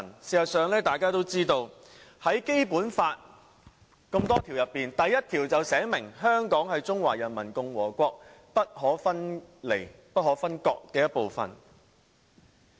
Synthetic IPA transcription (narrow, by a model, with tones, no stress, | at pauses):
nsiː˨sɐ˨t̚sœː˨˧ŋlɛː˥t̪aː˨jkaː˥t̪o˥wt͡siː˥t̪o˧w | hɐ˨˥jke˥jpuː˨˥nfaː˧t̚ | kɐ˧mt̪ɔː˥t̪ʰiː˨˩wjɐ˨pːiː˨nt̪ɐ˨jːɐ˥t̚t̪ʰiː˨˩wt͡sɐ˨wsɛː˨˥mɪ˨˩ŋɦœː˥ŋkɔː˨˥ŋhɐ˨jt͡sʊ˥ŋwaː˨˩jɐ˨˩nmɐ˨˩nkʊ˨ŋwɔː˨˩kʷɔː˧k̚pɐ˥t̚hɔː˨˥fɐ˥nle˨˩j | pɐ˥t̚hɦɔː˨˥fɐ˥nkɔː˧k̚kɛː˧jɐ˥t̚po˨wfɐ̰˨n